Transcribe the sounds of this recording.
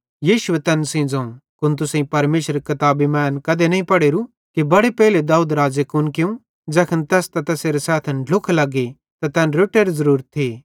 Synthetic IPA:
jiːʃʊʋet̪ɛnsẽd͡zoːnkʊnt̪̬ʊsẽĩpɐɾmeːʃəɾekɐt̪aːbimɛːnkɐd̪enɐĩpɐɽeːɾu | kibɐɽepɛːled̪aːuːd̪ɾaːd͡ʒekʊnkɪũ | d͡ʒɛːkʰənt̪ɛːst̪at̪ɛːseɾesaːt̪ʰɐnɖʱʊkʰlɐɡe | t̪at̪ɛːnɾoːʈeɾizɐɾuːɾt̪ʰːiː

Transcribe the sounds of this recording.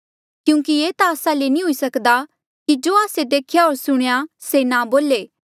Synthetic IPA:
kjũːkieːt̪aːsãlenĩɦʊisɐkd̪a | kid͡ʒoːaːsed̪eːkʰjaoːɾsʊɽ̃ejasenãboːleː

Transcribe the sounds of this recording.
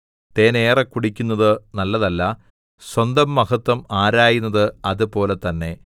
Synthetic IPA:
t̪eːneːrɐkːuɽikʲːunːɐðɨnɐlːɐðɐlːɐ | swɐnd̪ɐmːɐɦɐt̪ːwɐmaːɾaːjunːɐðɨɐðɨpo̞ːle̞t̪ːɐnːe̞

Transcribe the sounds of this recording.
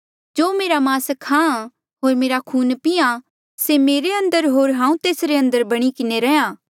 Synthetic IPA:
d͡ʒoːmeːɾamãːskʰːãã | ɦoːɾmeːɾakʰuːnpɪjã | semeːɾeɐ̃nd̪əɾɦoːɾɦãːũt̪eːsɾeɐ̃nd̪əɾbɐɽ̃ikɪneɾɛãː

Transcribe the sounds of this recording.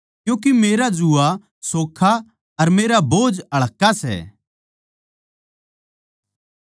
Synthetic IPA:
kjũːk̬imeːɾad͡ʒua | soːkʰa | ɐɾmeːɾaboːd͡ʒɐɭ̤əkːasɛ̰ː

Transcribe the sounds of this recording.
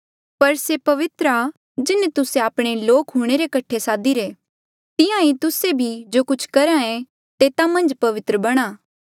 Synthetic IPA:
pɐɾsepɐʋɪt̪ɾa | d͡ʒɪnet̪ʊseaːpɽ̃eloːkɦuːɽ̃eɾekɐʈʰːesaːd̪iɾe | t̪ɪjãit̪ʊsebʱid͡ʒoːkʊt͡ʃʰkɐɾãɛ̃ | t̪eːt̪amɐ̃nd͡ʒpɐʋɪt̪ɾəbɐɽ̃aː

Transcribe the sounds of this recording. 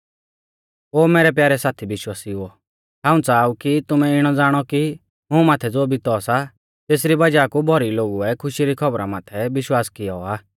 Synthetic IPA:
oːmeːɾɛp̬jaːɾɛsaːt̪ʰibɪʃwaːsiɦʊɔ | ɦãːũt͡saːukit̪ʊmɛɪɽ̃ɔd͡zaːɽ̃ɔki | ɦũmaːt̪ʰɛd͡zoːbit̪ɔsa | t̪eːs̬ɾibɐd͡ʒaːkubʱɔɾiloːɡuɛkʰʊʃiɾikʰɔbɾamaːt̪ʰɛbɪʃwaːskɪjɔaː

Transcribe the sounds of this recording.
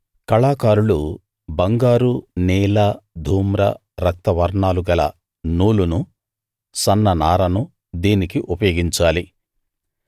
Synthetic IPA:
kɐɭaːkaːɾulu | bɐŋɡaːɾunɛːlɐd̪ʱuːmɾɐ̰ | ɾɐk̚t̪ɐʋɐɾɳaːluɡɐlɐ̰ | nuːlunu | sɐnːɐnaːɾɐnu | d̪iːnikiʔupɐjoːɡiɲt͡ʃaːli

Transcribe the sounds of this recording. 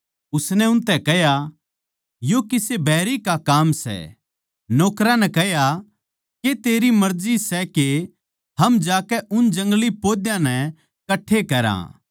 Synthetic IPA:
ʊsnɛʊnt̪ɛkɛɦja | jokɪsebʱɛːɾikakaːmsɛ̰ | noːkɾãnɛ̃kɛɦja | ket̪eːɾimɐɾd͡ʒisɛke | hɐmd͡ʒaːkɛʔʊnd͡ʒɐ̃ŋɡlipoːd̪jãnɛ | kɐʈʰːekɐɾã̰ː

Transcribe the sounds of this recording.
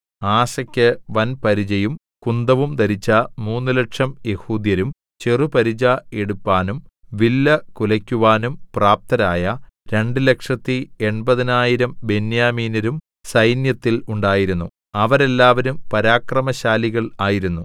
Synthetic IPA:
aːsɐkʲːɨʋɐnpɐɾid͡ʑɐjum | kund̪ɐʋumt̪ɐɾit͡ɕːɐmuːnːɨleʈʂɐmje̞huːd̪jɐɾum | t͡ɕerupɐɾid͡ʑae̞ɽupːaːnumʋilːɐkulɐkʲːuʋaːnumpraːp̚t̪ɐɾaːjɐɾe̞ɳɖɨle̞kʂɐt̪ːie̞ɳbɐðinaːjiɾɐmbe̞njaːmiːnɐɾum | sɐjnjɐt̪ːiluɳɖaːjiɾunːu | ɐʋɐɾe̞lːaːʋɐɾumpɐɾaːkrɐmɐɕaːliɣɐɭaːjiɾunːu

